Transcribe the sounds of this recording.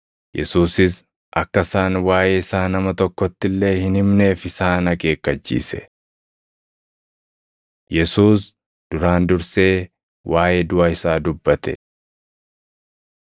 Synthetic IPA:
jɛsuːsɪs | ʔɐkːɐsaːnwaːjeːɪsaːnɐmɐt̪ɔkːɔt̪ːɪlːe̞ːhɪnhɪmne̞ːfɪsaːnɐkʼe̞ːkːɐt͡ʃːḭːsɛ̥ | jɛsuːs | d̪̥ʊɾaːnd̪ʊɾse̞ː | wʔaːʔeːd̪ʊʔaːɪsaːd̪ʊbːɐt̪ɛ

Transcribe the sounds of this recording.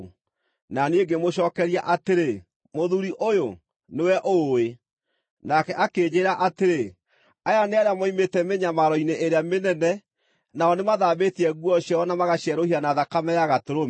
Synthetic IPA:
naneɡemoʃɔːkɛɾiaʔateɾe | moðuɾiʔojo | newɛʔoe | nakɛʔakeːɲeːɾaʔateɾe | ajaneaɾeamɔimetɛmeɲamaɾɔineʔeɾeamenɛnɛ | naɔnemaðaːβetiɛɣwɔɕjaɔnamaɣaɕiɛɾohianaðakamɛjaɣatoɾom

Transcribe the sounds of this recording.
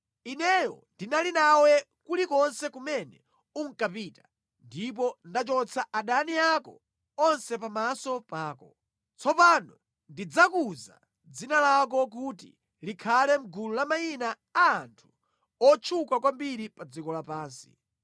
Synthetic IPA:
inɛjɔ̰ndinalinawɛ | kulikɔnsɛkumɛnɛ | uŋ̩kapiːtḁ | ndip̬ɔndat͡ʃɔt͡sʰaʔaɗaniakɔ | ɔnsɛpamasɔpaːkɔ | t͡sʰɔpanɔ | ndid͡zakuza̰ | d͡zinalak̬ɔk̬utḭ | likʰalɛm̩ɡululamainaː | ntʰu̥ | ɔt͡ʃʰukakwambiɾipad͡zikɔlapaːnsi̥̰

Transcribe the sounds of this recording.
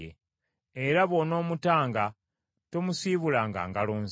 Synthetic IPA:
ḛ | eɾaβo̞no̞ːmutaːŋɡa | tomusiβulaːŋɡa̰ːŋɡaloːnz

